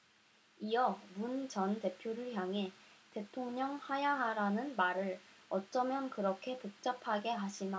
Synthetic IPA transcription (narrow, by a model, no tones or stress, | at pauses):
iʌmunt͡ɕʌnte̞pʰjoɾɯɭçjaŋɦe̞te̞tʰoŋɲʌŋhajaɦaɾanɯnmaɾɯɭʌt͡ɕ͈ʌmjʌnkɯɾʌkʰe̞puk̚t͡ɕ͈apʰaɡe̞ɦaɕʰina